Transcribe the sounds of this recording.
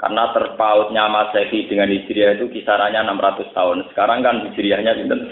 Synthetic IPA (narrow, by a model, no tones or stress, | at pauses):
ka̰rnat̪ərpaʊt̪̚ɲamasefid̥əŋanist͡ʃɾiahit̪ukisaɾaɲanamɾat̪ʊst̪aʊnsə̥kaɾaŋkandid͡ʒɾiahɲapit̪əm